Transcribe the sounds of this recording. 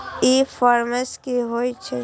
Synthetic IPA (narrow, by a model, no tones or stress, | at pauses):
ifɔːɾməskiɦoːit͡ʃʰe